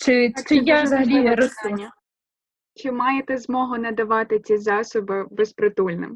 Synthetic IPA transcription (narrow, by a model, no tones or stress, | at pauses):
t͡ʃɪɪjazɐɦɐlʲiɾɔst̪ɐnʲːɐ | t͡ʃɪmɑjet̪ɛzmɔɦʊnɐd̪ɐʋɑt̪ɪt͡sʲizɑsɔbɪbɛspɾɔt̪ulʲnɪ̰m